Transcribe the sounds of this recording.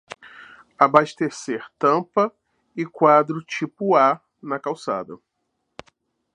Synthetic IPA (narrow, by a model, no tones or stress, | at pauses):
abaʃt̪eseɾt̪ɐ̃pɐ | ɪkwad̪ɾʊt͡ʃipʊa | nɐkawsa̰d̪ɐ̰